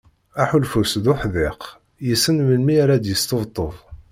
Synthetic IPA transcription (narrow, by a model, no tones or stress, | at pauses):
aħulfusðʊħðɪq | jəsənməlmiaɾad̪jəst̪əvt̪ˤːə̰ðˤ